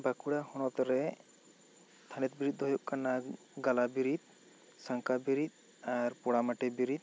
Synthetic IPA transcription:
bakuɽahɔɽ̃ɔt̪ɔɾɛ | t̪ʰanɛt̪̚biɾit̪̚ˀd̪ɔjɔʔkana | ɡalabiɾit̪̚ | saŋkabiɾit̪̚ | aɾpɔɽamaʈɛbiɾit̪̚

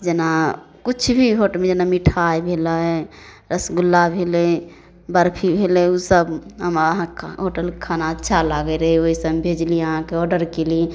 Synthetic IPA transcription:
d͡ʒena | kut͡ʃʰbʱiɦoʈəlmed͡ʒenamiʈʰajbʱeləɛ | ɾəsɡulːabʱelɛ | bəɾpʰibʱelɛusəbɦəməɦãɦoʈəlkkʰanaətːʃʰalaɡɛɾəɦioɦisəbbʱed͡ʒliəɦãkeɔɾɖəɾkeli

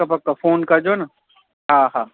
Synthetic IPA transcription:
apɐkːafoːnkad͡ʒoːna | ɦãːɦãː

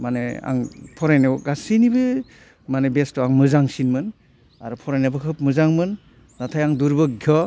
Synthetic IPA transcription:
manea̰ŋpʰɔɾajnɯɡasinibɯ | manebestɔaŋmɯzaŋsinmɯn | aɾupʰɔɾajnabɯkʰɯp̚mɯzaŋmɯnː | atʰajaŋduɾbɯɡʱjɔ

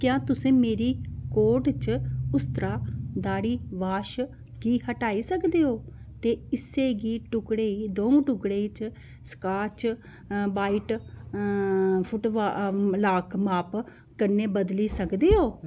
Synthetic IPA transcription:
kjãːt̪ʊsẽːmeːɾiːkoːʈt͡ʃʊst̪ɾaːd̪aːɽiːʋaːʃ | ɡiːhəʈaːiːsəkd̪eːoːt̪eːɪseːɡiːʈʊkɽeːiːd̪õːũʈʊkɽeːiːt͡ʃ | skaːt͡ʃ | baːiːʈ | pʰʊʈʋalaːkʰmaːp | kəɾneːbəd̪liːsəkd̪eːɦoː

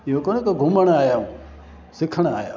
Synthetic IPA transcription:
ɪɦokoːnekeɡʱʊməɽ̃aːjaːũː | sɪkʰəɽ̃a̰ːjaː

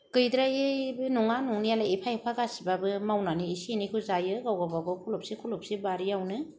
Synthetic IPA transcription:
kɯjdɾaebɯnuŋanuŋnijalaipʰajpʰaɡasibabɯmawnaniːsinikʰuzajɯɡawɡababɯkʰulop̚sikʰulop̚sibaɾijawnɯ

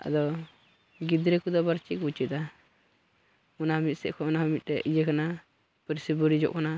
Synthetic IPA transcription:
a̰d̪ɔ | ɡid̪ɾɛkud̪ɔbaɾt͡ʃikut͡ʃit̪a | unaɦəmit̪̚sɛʔkɔunaɦəmit̪̚ˀtɛʔid͡ʒekana | pəɾsibuɾid͡ʒɔ̰ʔkana

